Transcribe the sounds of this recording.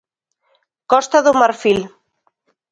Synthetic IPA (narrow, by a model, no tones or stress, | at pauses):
kɔst̪aðʊmaɾfil